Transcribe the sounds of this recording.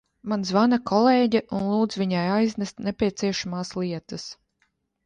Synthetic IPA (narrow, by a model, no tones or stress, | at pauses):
manzvanakʰɔlˠeːɟɛʔunlˠuːd̪zvʲiɲajajznɛst̪nepʲiɛt̪siɛʃamaːslˠiɛt̪ɨs